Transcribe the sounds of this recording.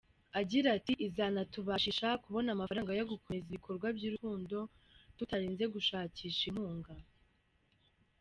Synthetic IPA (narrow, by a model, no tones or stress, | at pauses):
aɟiɾatiʔizanatuβaʃiʃakuβo̞namafaɾaːŋɡajaɡukomeziβikʰo̞ɾɡwabɟiːɾuhuːndo̞ | tutaɾiːnze̞ɡuʃaːciːʃin̥huːŋɡa